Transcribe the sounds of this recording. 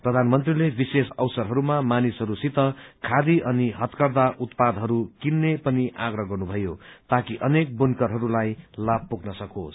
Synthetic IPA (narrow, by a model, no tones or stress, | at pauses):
prʌd̪ʱanmʌnt̪rilebisesʌwsʌɾɦʌɾumamanisɦʌɾusit̪ʌkʰad̪iʔʌniɦʌt̪kʌrd̪aʔut̪̚pad̪ʱɦʌɾukinːepʌniʔaɡrʌɦɡʌrnubʱʌjot̪akiʔʌnek̚bunkʌɾɦʌɾulajlab̚puɡnʌsʌko̰s